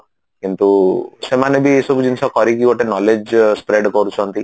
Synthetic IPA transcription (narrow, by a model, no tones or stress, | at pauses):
kint̪usemanebʱiesɔbud͡ʒinsɔkɔɾikiɔʈenɔled͡ʒspɾeɖkɔɾut͡ʃʰɔnt̪i